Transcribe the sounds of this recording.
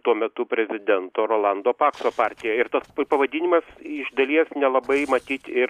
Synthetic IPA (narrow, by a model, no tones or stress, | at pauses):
t̪uɔmʲɛt̪ʊpʲɾʲɛzʲɪd̪ʲɛnt̪oːɾoːlˠɑnd̪oːpɑːksoːpɑːrʲt̪ʲɪjɛɪɾt̪ɐspɐʋɐd̪ʲiːnʲɪmɐsɪʒd̪ɐlʲiɛsnʲɛlˠɐbɐɪmɐt̪ʲiːt̪ʲɪɾ